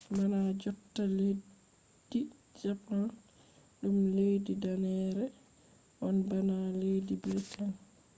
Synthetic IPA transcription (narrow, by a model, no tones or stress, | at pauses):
banad͡ʒɔtːale | d̥ːi | d͡ʒapan | ɗumlejdidanɛɾɛ | ʔɔnbanalejdibltʰan